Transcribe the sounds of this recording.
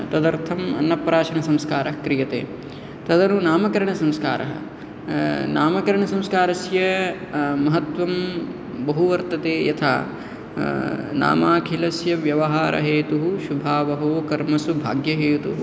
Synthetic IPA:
t̪ɐd̪ɐɾt̪ʰɐmɐ̰nːɐpɾaːʃɐnɐsɐmskaːɾɐɦkɾijɐt̪ḛː | t̪ɐd̪ɐnunaːmɐkɐɾɐɳɐsɐmskaːɾʔɐ̰ɦɐ̰ | na̰ːmɐkɐɾɐɳɐsɐ̃mskaːɾɐsjɐ | mɐɦɐt̪ʋɐm | bɐɦuʋɐɾt̪ɐt̪eːjɐt̪ʰa̰ː | na̰ːmaːkʰilɐsjɐʋjɐʋɐɦaːɾʔɐ̰ɦeːt̪uɦuʃubʱaːʋɐɦoːkɐɾmɐsubʱa̰ːɡjɐɦeːt̪uɦu

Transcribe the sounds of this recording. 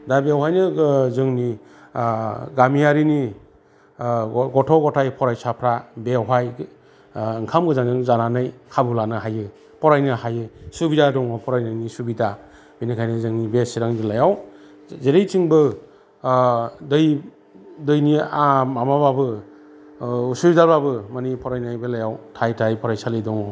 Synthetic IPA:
dabewɦajnɯzɯŋni | ɡamiaɾini | ɡɔtʰɔɡɔtʰajpʰɔɾajsapʰɾabewɦaj | ɯŋkʰamɡɯzaŋzɯŋzananɯjkʰabɯlanɯɦajɯ | pʰɔɾajnɯɦajɯsubidadɔŋɔpʰɔɾajnɯnisubida | binikʰajnɯzɯŋnibesiɾaŋbɯlajaw | zeɾejtʰiŋbɯ | dɯj | dɯjniamamababɯ | subidababɯmanipʰɔɾajnajbɯlajawtʰajtʰajpʰɔɾajsalidɔŋɔ

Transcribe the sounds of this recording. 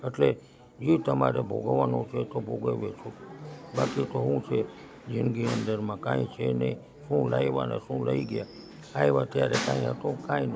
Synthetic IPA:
əʈle | d͡ʒit̪əmaɾebʱoɡʋanõt͡ʃʰet̪obʱoɡəʋet͡ʃʰobakit̪oɦũt͡ʃʰe | d͡ʒɪnɡiənd̪əɾmãkãĩt͡ʃʰenə̰i | ʃũlajʋa̰na̰ʃũləiɡja | aeʋat̪jaɾekãĩɦət̪õkãĩn

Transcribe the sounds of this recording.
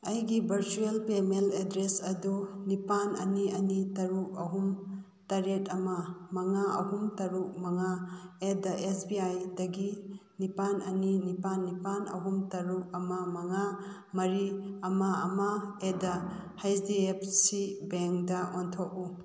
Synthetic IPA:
ɐjɡibʱɐɾt͡ʃuelpemeledɾesɐdunipanɐ̰niɐnitɐɾuk̚ɐɦum | tɐɾetɐmɐmɐŋaɐ̰ɦumtɐɾuk̚mɐŋaedɐʔesbiajdɐɡinipanɐninipanːipanɐ̰ɦumtɐɾuk̚ɐmɐmɐŋa | mɐɾiɐmaɐmɐedɐhajdiep̚ʰsibeŋkdɐʔontʰok̚u

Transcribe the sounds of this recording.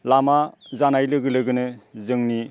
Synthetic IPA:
lamazanajlɯɡɯlɯɡɯnɯzɯŋni

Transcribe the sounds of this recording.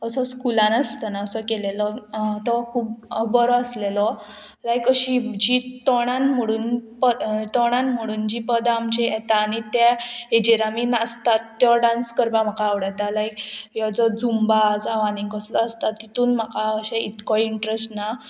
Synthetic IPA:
əsɔskulãnast̪ənaəsɔkelelɔt̪ɔkʰuːpbəɾɔəslelɔ | lajkəɕid͡ʑit̪ɔɽ̃ãnm̤əɽuːnpət̪ɔɽ̃ãnm̤əɽuːnd͡ʑiːpəd̪amd͡ʑejet̪aːɽ̃it̪jaed͡ʑiɾaminast̪at̪ːjɔɖãnskəɾbãm̤akaːʋɽat̪alajkjɔd͡zɔd͡zʱumbad͡zaʋaniŋkəslɔːst̪at̪ːit̪uːnm̤akaəɕɛit̪kɔiɳʈɾesʈna

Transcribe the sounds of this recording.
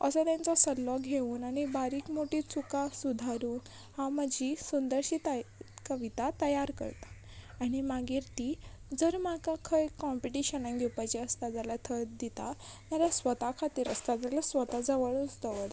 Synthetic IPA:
ə̰sət̪jant͡sɔsəlːɔɡʱeuːnañibaɾiːkmoʈiːt͡sukasud̪ʱaɾuːn | hãməd͡ʑʱisund̪əɾɕit̪akəʋit̪at̪əjaɾkə̰ɾt̪ḁː | ɽ̃imaɡiːɾt̪iːd͡zəɾmakakʰəjkɔmpiʈiɕənaŋɡʱiwpat͡ɕeəst̪ad͡zalat̪ʰəɾd̪it̪amalasʋət̪akʰat̪iːɾəst̪ad͡zalasʋət̪ad͡zəʋəɭut͡sd̪əʋət̪

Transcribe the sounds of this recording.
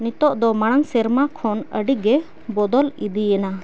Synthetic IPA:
nit̪ɔʔd̪ɔmaɽ̃əŋsɛɾmakʰɔnə̰ɖiɡɛ | bɔd̪ɔlid̪iɛna

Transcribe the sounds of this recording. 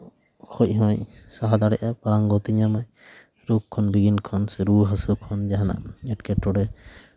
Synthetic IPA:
kʰɔc̚ɦɔ̃ɲsaɦad̪aɽɛʔapaɾaŋɡɔt̪iɲamaj | ɾukʰːɔnbiɡinkʰɔnsɛɾuɦasukʰɔnd͡ʒaɦana̰ʔɛʈkɛʈɔɽɛ

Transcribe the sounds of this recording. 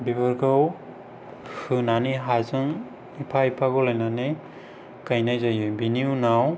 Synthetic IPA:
bibɯɾɡʰɯw | hɯnaniɦazɯŋ | ipʰajpʰaɡɔlajnane | kajnajzajɯbiniunaw

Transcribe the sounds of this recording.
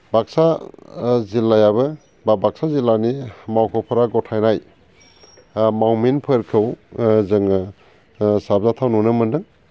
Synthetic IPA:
baksa | zilajabɯ | babak̚sazilanimawkʰɯwpʰɯɾaɡɔtʰajnaj | mawminpʰɯɾkʰɯwzɯŋ | sabzatʰawnunɯmɯndɯŋ

